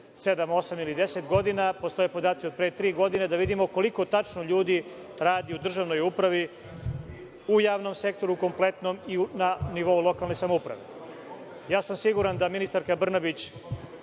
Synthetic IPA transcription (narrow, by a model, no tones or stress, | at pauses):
se̞d̪amo̞samilid̪e̞set̪ɡo̞d̪inapo̞st̪oje̞po̞d̪aːt̪sio̞d̪̚pɾet̪ɾiːɡo̞d̪ine̞d̪aʋid̪imoko̞liko̞t̪at͡ʃnoʎuːd̪i | ɾaːd̪iud̪r̩ʒaʋno̞jupɾaʋi | ujaːʋno̞mse̞k̚t̪o̞ɾuuko̞mplˠe̞t̪no̞miunaniʋo̞ulˠo̞kalne̞jsamoupɾa̰ʋe | jaːsamsiɡuɾand̪aminist̪aɾkabr̩nabit͡ɕ